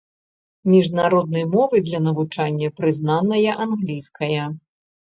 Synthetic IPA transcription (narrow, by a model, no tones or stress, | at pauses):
mʲiʐnaɾɔd̪̚nɐjmɔvɨd̪lʲɐnɐvut͡ʂanʲːɐpɾɨznanɐjɐʔanɣlʲijskɐjɐ